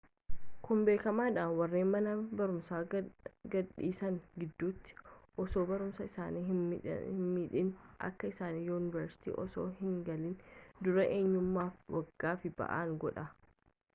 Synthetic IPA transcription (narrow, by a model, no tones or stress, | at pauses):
kʊmbe̞ːkɐmaːᶑaːnwɐrːeːnmɐnɐbɐɾʊmsaːɡɐᶑḭːsɐŋɡɪd̪ːuːt̪ːɪ̥ʔɔso̞ːbɐɾʊmsɐɪsaːnḭː | miːᶑɪnʔɐ̰kːɐɪsaːniːjuːnɪvɐɾsɪ̥t̪ḭːʔɔso̰ːhɪŋɡɐliːnd̪ʊɾɐʔe̞ːɲːʊmːaːfwʔɐɡ̥ːaːfɪb̥ɐ̰ʔa̰ːŋɡɔᶑɐ